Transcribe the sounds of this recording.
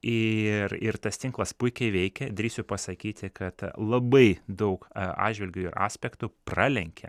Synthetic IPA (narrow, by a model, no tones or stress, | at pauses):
ɪrɪɾt̪ɐst̪ʲɪŋklˠɐspʊɪkʲɛɪʋʲɛɪkʲɛd̪ɾʲiːsʲʊpɐsɐkʲiːt̪ʲɪkɐt̪lˠɐbɐɪd̪ɐʊkɑ̰ːdʒʲʋʲɪlʲɡʲʊɪɾɑ̰ːsʲpʲɛkt̪ʊprɑːlʲɛŋʲkʲɛ̰